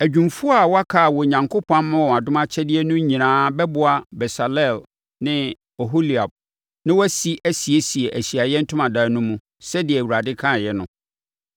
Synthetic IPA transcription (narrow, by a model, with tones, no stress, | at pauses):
æ˨d͡ʑᶣũ˨mfu˦a˨wɔ˦a˦kʰa˨wɔ˨ɲã˨ŋkʰʊ˦pʰã˦n˦mʊ̃˦˨a˨dʊ̃˦mã˦t͡ɕʰɛ˦dɪ˦ɛ˦nʊ̃˦ɲĩ˨nãː˦bɛ˦bʊ˦a˨bɛ˨sa˨lɛ˦˨l | nɪ̃˦ | o˨ɦo˦li˨a˨b̚ | nɪ̃˦wɔ˦si˦ʔæ˦si˨e˦si˨e˨ʔæ˨ɕi˨a˨jɛ˦n̩˦tʰʊ̃˦mã˨daː˨˦nʊ̃˦mũ˦ | sɛ˦dɪ˨ɛ˨wu˨ɾa˨dɪ˦kʰã˦˨jɛ˦nʊ̃˦